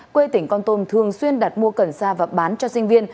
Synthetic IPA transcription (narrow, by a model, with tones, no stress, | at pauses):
kwe˧t̪ï˧˩ŋ̟kɔ˧nt̪o˧mt̪ʰɨ˨˩əŋswi˧ənɗaː˨˩t̚mu˧əkə˧˩nsaː˧vaː˨˩ɓaː˨˦nt͡ɕɔ˧sï˧ŋ̟vi˧ən